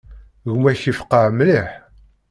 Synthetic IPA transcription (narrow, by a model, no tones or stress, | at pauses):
ɣmæçifqəʕmliħ